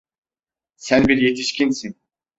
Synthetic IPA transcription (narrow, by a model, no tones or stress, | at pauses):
sænbiɾje̞t̪ʰiʃcʰinsin